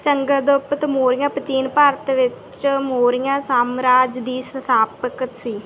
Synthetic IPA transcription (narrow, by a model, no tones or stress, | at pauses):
t͡ʃəŋɡəd̪opət̪moːɾɪjãːpət͡ʃiːnpaɾət̪ʋɪt͡ʃ | moːɾɪjãːsaːmɾaːd͡ʒd̪iːsət̪ʰaːpək̪siː